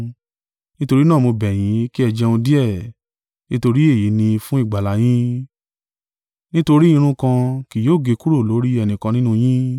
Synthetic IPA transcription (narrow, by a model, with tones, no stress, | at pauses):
nĩ˦to˧ɾi˦nãː˦˨mo˧bɛ˨j̃ĩ˨˦ki˦ɛ˧d͡ʒɛ˧õ˧di˦ɛ˦˨ | nĩ˦to˧ɾi˦e˦˨ji˨˦nĩ˧fũ˦i˦˨ɡ͡ba˨la˨˦j̃ĩ˦ | nĩ˦to˧ɾi˦ĩ˧ɾ̃ũ˦kã˧ki˨joː˦˨ɡe˧ku˦ɾo˦˨lo˨˦ɾi˦ɛ˧˨nĩ˨kã˧nĩ˦nũ˦j̃ĩ˦